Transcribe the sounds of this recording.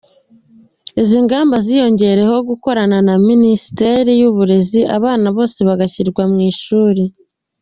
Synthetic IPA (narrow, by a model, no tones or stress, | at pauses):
eziŋɡaːmbazijo̞ɲɟe̞ɾe̞ho̞ɡuko̞ɾananaminisi̥te̞ɾijuβuɾe̞ziʔa̰βaːnaβo̞ːse̞βaɡaçiɾɡwamŋiːʃuːɾe